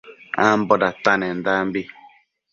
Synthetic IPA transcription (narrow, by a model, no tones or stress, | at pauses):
ambɔdatanɛndambi